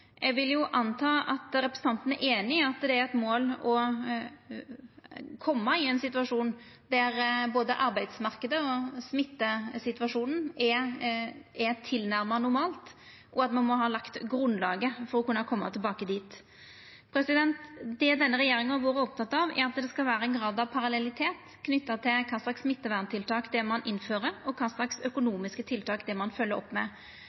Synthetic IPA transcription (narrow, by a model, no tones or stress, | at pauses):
ʔɛɡʋɪljʊʔɑnt̪ʰɑːʔɑt̪ɾɛpɾəsəɑnt̪ən̩æɾʔeːnɪɑt̪d̪ɛæɾɛt̪moːlɔ | kʰɔmːɑɪɛnsɪt̪ʋɑʂuːn | d̪æɾboːd̪əʔɑɾbæɪd̪smɑʁkəd̪əɔsmɪt̪ːəsɪt̪ʉʋɑʂuːnn̩æ | æt̪ʰɪlnæɾmɑnʊɾmɑːlt̪ | ʔɔɑt̪mɑnmɔɦɑːlɑkt̪ɡɾʉnlɑːɡəfɔɾɔkʉnːɑkʰɔmːɑ̰t̪ʰɪlbɑːkəd̪iːt̪ | pʰɾɛsɪd̪ɛnt̪d̪ɛd̪ɛnːəɾɛjeːɾɪŋəʋɑːɾəɔp̚t̪ɑt̪ːɑʋæ̰ɾɑt̪̚d̪ɛskɑlʋæːɾəɛnɡɾɑːd̪ɑʋpʰɑɾɑlɛlɪt̪ʰeːt̪ | kʰnʏt̪ːət̪ʰɪlkʰɑːslɑksmɪt̪ːəʋæʁnt̪ɪlt̪ʰɑːkd̪ɛmɑnʔɪnføːʁəɾɔkʰɑːslɑksœkʊnuːmɪskət̪ʰɪlt̪ʰɑːkd̪ɛmɑnfœlːəɾɔ̰pːmɛ̰